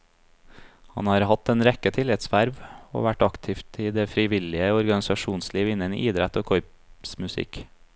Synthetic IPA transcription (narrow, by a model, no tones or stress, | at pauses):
hɑ̰nhɑːɾhɑt̪ːɛːnɾɛkət̪ʰɪlɪt̪sʋæɾʋo̰ːʋæʈɑkt̪ʰɪːft̪ʰiːd̪eːfɾɪʋɪlɪəɔɾɡɑnɪsɑʃuːnsliːʋɪnːənḭːʔiːd̪ɾɛt̪oːkʰɔʏp | smʉsɪ̰k